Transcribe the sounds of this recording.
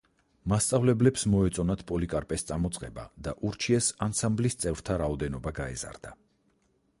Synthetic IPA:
mast̪sʼavlɛblɛpsmɔɛt̪sʼɔnat̪ʰpʼɔlikʼaɾpʼɛst̪sʼamɔt̪sʼqʼɛba̰d̪aʔuɾt͡ʃʰiɛsansamblist̪sʼɛvɾt̪ʰaɾaɔd̪ɛnɔbaɡaɛ̰za̰ɾd̪̥a

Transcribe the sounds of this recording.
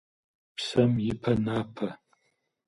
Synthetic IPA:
psɐmjɪpʰɐnaːpʰɐ

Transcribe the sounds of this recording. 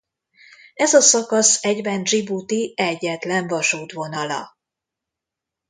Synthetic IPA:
ɛzɒsɒkɒsɛɟvɛnʒibut̪iɛɟːɛt̪lɛɱvɒʃuːt̪ʋo̞nɒlɒ̰

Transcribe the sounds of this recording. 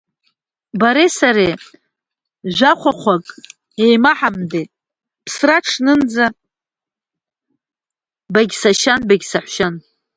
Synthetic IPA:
baɾesaɾe | ʒʷaχʷaχʷakʼ | ejmaħamde | pʰsraʈ͡ʂʰnɨnd͡za | baɡʲsaʃanbaɡʲsaħʷʃan

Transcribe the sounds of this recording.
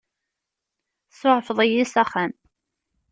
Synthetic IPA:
soʕfðˤəjisæχæn

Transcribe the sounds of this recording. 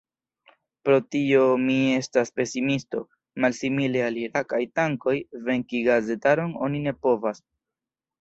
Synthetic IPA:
pɾo̞tio̞mie̞staspe̞simisto̞̰ | malsimile̞aliɾakajtaŋko̞jve̞ŋkiɡaze̞taɾo̞no̞̰nine̞po̞vas

